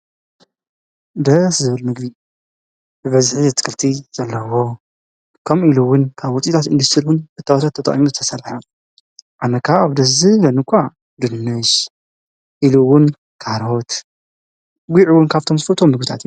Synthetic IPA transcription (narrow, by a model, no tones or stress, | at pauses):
d̪ɐszɨβɨlmɨɡbi | bɨβɐzħizɨt̪ʰːɨ̥kʰɨlt̪ʰiz̥ɐlːɐwo | kʰɐmʔiluwʊnkʰaβwɔt͡sʼit̪ʰat̪ɨ̰nd̪ust̪ʰɨɾiwʊnbɨt̪ʰːawt̪ʰat̪ʰːɐt̪ɐ̰χʼimuzɨt̪ʰɐ̥sɐlħɐ | ʔanːɐkʰaaβd̪ɐszɨlɐnɨkʷʰːa | d̪ɨnːɨʃ | ʔiluwʊn | kʰaɾot̪ | ɡʷiʕuwʊnkʰaβt̪ʰo̞mzɨfɐlt̪ʰomːɨɡbit̪ʰat̪iju